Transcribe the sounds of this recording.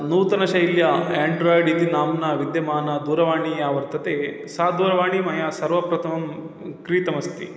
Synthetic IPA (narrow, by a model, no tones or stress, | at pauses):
nuːt̪ɐnɐʃɐjiljɐeːɳɖɾoːjɖit̪inaːmnɐʋid̪jɐmaːnɐd̪uːɾɐʋaːɳiaːʋɐɾt̪ɐt̪eː | saːd̪uːɾɐʋaːɳimɐjasɐɾʋɐpɾɐt̪ʰɐmɐm | kɾiːt̪ɐmɐst̪ḭ